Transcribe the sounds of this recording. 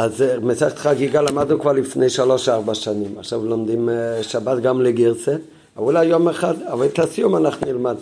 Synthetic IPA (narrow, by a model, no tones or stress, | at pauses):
azmesɛχt̪χaɡiɡalamadnukvaʁlifnejʃalɔʃaʁbaʃanimaχʃavlomd̪imʃabatɡamleɡiʁse | aulajjomɛχadavajdt̪asjumanaχnilmad